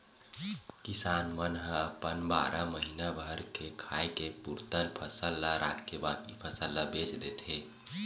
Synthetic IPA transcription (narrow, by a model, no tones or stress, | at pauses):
kisanmənɦəəpənba̰ɾʔəməɦinabʱəɾkʰekʰajkepuɾt̪ənpʰəsəlːaɾʔa̰t̪kebad̪ipʰəsəlːabet͡ʃd̪et̪ʰe